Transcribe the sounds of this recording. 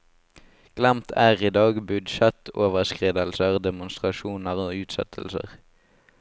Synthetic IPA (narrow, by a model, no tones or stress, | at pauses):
ɡ̥læmt̪ʰæːʁiːd̪ɑːɡbʉd̪ʃɛt̪oːʋəʁskʁiːd̪əlsəʁd̪ɛmʊnst̪ʁɑʃuːnəʁoːʉːt̪sɛ̰t̪ʰəlsə̰ʁ